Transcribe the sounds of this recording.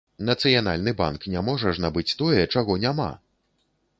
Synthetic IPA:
nɐt̪sɨjanalʲnɨba̰nknʲamɔʐɐʐnabɨt͡sʲt̪ɔjɛt͡ʂaɣɔnʲama̰

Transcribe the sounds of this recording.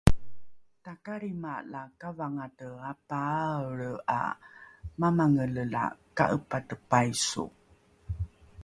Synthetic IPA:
takaɾimalakavaŋatəapaɭəa̰ | mamaŋələla̰ka̰ʔəpatəpajsṵ

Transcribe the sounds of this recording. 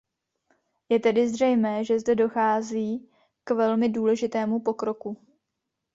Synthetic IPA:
jɛt̪ɛdɪzr̝ɛjmɛːʒɛzdɛdo̞xaːziː | kvɛlmɪduːlɛʒɪt̪ɛːmupo̞kɾo̞ku

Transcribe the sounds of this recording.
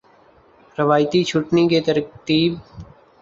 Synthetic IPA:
ɾɪʋaːjt̪it͡ʃʰʊʈnikeːt̪əɾt̪iːb̚

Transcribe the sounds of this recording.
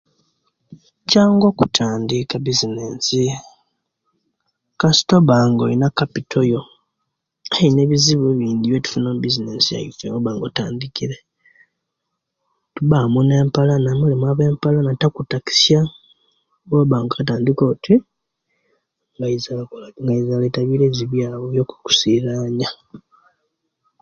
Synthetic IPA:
caːŋɡo̞kutʰaːndikabizineːnsi | kasi̥toβaːŋɡo̰linakapitʰojo̞ | aine̞βiziβuβiːnd̪iβjetu̥funomubizinesia̰jḭfḛŋɡoβaːŋɡotaːndikiɾe | tuβamune̞ːmpalanamulemwaβe̞ːmpalanatakutaki̥sja | ɡoβaːŋɡaataːndiko̞ːtʰi | ŋɡazŋɡaizaletaβiːɾe̞ːziβjaːβoβjoku̥ku̥siɾaːɲa

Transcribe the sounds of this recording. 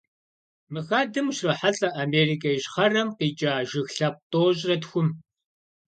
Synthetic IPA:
mɨxaːdɨmʃrɐħaɬʼɐʔameːrikʰʼɐjiɕχɐrɐmqiːt͡ʃʼaːʒɪxɬɐp̚tʼoːɕʼrɐtxʷʊm

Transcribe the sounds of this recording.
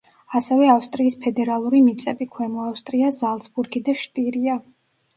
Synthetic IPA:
asɛvɛafst̪ʼɾiːspʰɛd̪ɛɾalˠuɾimit̪sʼɛbikʰwɛmɔafst̪ʼɾiazalˠsbuɾɡid̪aʃt̪ʼiɾia

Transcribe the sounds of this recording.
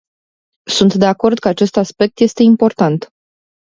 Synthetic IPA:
sunt̪d̪e̞ako̞rd̪̚kəat͡ʃe̞st̪aspe̞k̚t̪je̞st̪e̞impo̞rt̪ant̪

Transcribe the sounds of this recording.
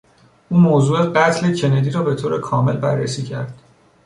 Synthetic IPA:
ʔuːmoːzuːeɢæt̪ʰle̞cʰe̞ned̪iːɾɒːbe̞t̪ʰoːɾekʰɒːme̞lbærːesiːcʰæɾd̪̥

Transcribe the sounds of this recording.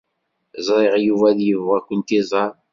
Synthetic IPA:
zˤɾˤɪʁjuvæðjəvʁækʷːənt̪izˤɑɾ

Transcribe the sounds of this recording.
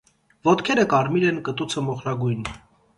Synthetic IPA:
vɔt̪kʰɛɾəkɑɾmiɾɛnkət̪ut͡sʰəmɔχɾɑɡujn

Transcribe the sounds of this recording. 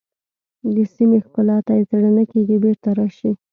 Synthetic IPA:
d̪əsimexpəlɑt̪ajet͡saɽanakeɡibeɾt̪aɾɑʃi

